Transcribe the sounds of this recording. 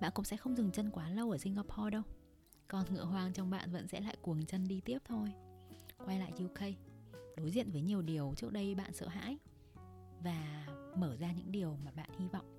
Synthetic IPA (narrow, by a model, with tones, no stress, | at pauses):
ɓa̰ː˧˨nkʊ̰˧˥ŋ͡msɛ̰˧˥xə˧wŋ͡mzɨ˨˩ŋt͡ɕə˧nkwaː˨˦lə˧wʔəː˧˩si˧ŋaː˧pʰɔ˧ɗə˧w | kɔ˨˩nŋɨ̰˧˥əɦwaː˧ŋt͡ɕɔ˧wŋ͡mɓa̰ː˧˨nvə̰˧˥nsɛ̰˧˥la̰ː˧˨jkwəŋt͡ɕə˧nɗi˧t̪i˦˥əp̚t̪ʰo˧jkwa˧jla̰ː˧˨jzi˧wxə˧jɗo˨˦jzḭ˧˨ənvəː˨˦jɲi˨˩əwɗi˨˩əwt͡ɕɨ˦˥ək̚ɗə˧jɓa̰ː˧˨nsə̰ː˧˨ɦa̰ː˧˥j | vaː˨˩məː˧˩zaː˧ɲɨ̰˧˥ŋɗi˨˩əwmaː˨˩ɓa̰ː˧˨nhi˧vɔ̰˧˨wŋ͡mʔ